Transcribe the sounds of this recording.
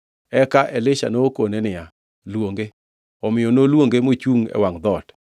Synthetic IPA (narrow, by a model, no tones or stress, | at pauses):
ɛkaʔɛlɪʃa̰nokonenɪja | lwoŋɡe | ɔmɪjonolwoŋɡemoit͡ʃuŋɛ̰waŋd̪ɔt